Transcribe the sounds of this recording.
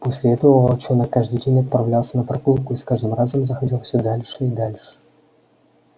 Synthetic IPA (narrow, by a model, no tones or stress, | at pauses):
posʲlʲɪɛt̪əvəvat͡ɕonəkːaʐd̪ɨjdʲenʲɐt̪̚pɾɐvlʲalˠsʲənəpɾɐkulˠkʊiskaʐd̪ɨmrazəmzəxɐdʲilˠfsʲɵd̪alʲʂɨid̪alʲʂɨ̥